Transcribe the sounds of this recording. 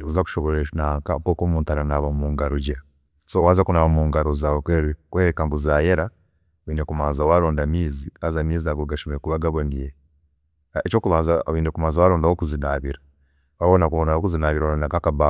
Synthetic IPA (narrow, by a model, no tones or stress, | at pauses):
ikuzaku̥ʃoβoɾeʃnakapokomuːntaɾanaβamuːŋɡaɾoɟa | sowazakunaβamuːŋɡaɾozawokweɾikweɾekambuzajeɾa | wiːnekumaːnzawaɾoːndamiːziazamiːziaɡoɡaʃomekuβaɡaβwemije | et͡ʃoːkuβaːnzawiːnekumaːnzawaɾoːndawokuzinaβiɾa | waβonakuβonaokuzinaːβiɾaondakakaβa